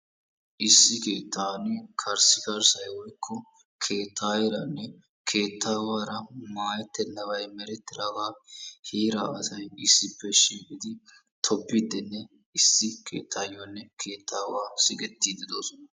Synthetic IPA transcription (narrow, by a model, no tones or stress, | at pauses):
ʔɪsːɪke̞ːt̪ːaːnɪkʰɐɾsɪkɐɾsɐjwɔjkʰːɔ | kʰe̞ːt̪ʰːaːjɪɾɐnːɛ | kʰe̞ːt̪ːaːwaːɾɐmaːjɛt̪ːɛnːɐwɐjmɛɾɛt̪ːɪɾaːɡaːhiːɾaːɐsɐjɪsːɪpːɛʃiːkʼɪd̪ɪ | t̪ʰɔbːɪd̪ːɛnːɛ | ɪsːɪkʰe̞̰ːt̪ʰːaːjonːɛkʰeːt̪ʰːaːwaːsɪkʼɛt̪ːiːd̪ɪd̪o̞ːsɔnɐ